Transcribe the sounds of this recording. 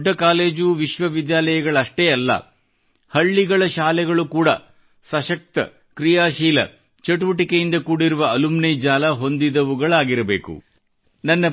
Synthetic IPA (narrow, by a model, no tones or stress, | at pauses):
ɖːɐkaːle̞ːd͡ʒuʋiʃʋɐʋid̪jaːlɐjɐɡɐɭɐʂʈeːɐlːɐ̰ | hɐɭːiɡɐɭɐʃaːlɛɡɐɭukuːɽɐ̰ | sɐʃɐk̚t̪ɐ̰ | kɾijaːʃiːlɐ̰ | t͡ʃɐʈuʋɐʈikejind̪ɐkuːɽiɾuʋɐɐlumnejd͡ʒaːlɐɦo̞nd̪id̪ɐʋuɡɐɭaːɡiɾɐbe̞ːkṵ | nɐnːɐ